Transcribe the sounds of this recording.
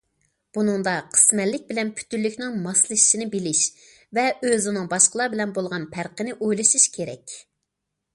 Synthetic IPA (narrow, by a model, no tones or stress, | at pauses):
b̥unɨŋd̪ɑqʰə̥smɛlːɪk̚ʲbɪlɛnpʰy̥t̪ylːykʲnɪŋmɑslˠɨ̥ʃinɪbɪlɪʃ | vɛøzɪnɪŋbɑʃqəlˠɑɾbɪlɛnbolˠʁɑnpʰæɾqənɪʔojlˠɨʃiʃkʲʰeɾɛ̰kʲ